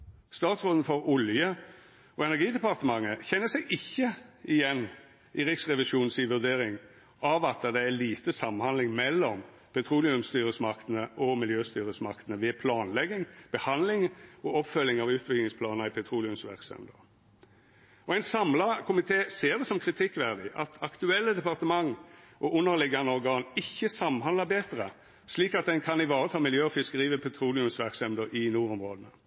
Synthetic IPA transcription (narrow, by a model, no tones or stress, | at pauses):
st̪ɑːt̪sʁoːd̪n̩fɔʁʊljə | ɔɛnæʁɡiːd̪ɛpɑʁt̪əmɑŋːəçɛnːəsɛɡɪçːəɪjɛnː | ɪʁɪksʁɛʋɪʃuːn̩sɪʋʉʁd̪eːʁɪŋ | ʔɑʋɑt̪̚d̪ɛd̪ɛæliːt̪əsɑmːnhɑnd̪ɪŋmɛlːɔm | pʰɛt̪ʰɾuːlɪʉmst̪yːɾəsmɑkt̪ənəʔɔmɪljøːst̪yːʁəsmɑkt̪nəʋɛːpʰlɑːnlɛɡɪŋb̥əhɑnd̪lɪŋɔɔpfœlːɪŋɑʋʉːt̪bɪɡ̪ɪŋspʰlɑːnəɪpʰɛt̪ʰʁuːlɪʉmsʋæ̰ʁksɛ̰md̪əʁ | ɔæɪnsɑmlɑkʰʊmɪt̪ʰeːseːʁd̪ɛsɔmkʰʁɪt̪ʰɪkːʋæʁd̪ɪʔɑt̪ʰɑkt̪ʉɛlːəd̪ɛpɑʁt̪əmɑŋʔɔʔʊnːəʁlɪɡːɑnəɔʁɡɑːnɪçːəsɑmːnɦɑnləbeːt̪əʁə | sliːkɑt̪̚d̪ɛnkʰɑnɪʋɑːʁət̪ʰɑːmɪljøːɔfɪskəʁiːʋəpʰɛt̪ʰʁuːlɪʉmsʋæʁksɛmd̪əʁɪnuːʁɔmʁoːd̪ənə